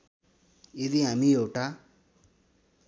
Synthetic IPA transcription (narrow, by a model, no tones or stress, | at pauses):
eðiɦamĩjowʈa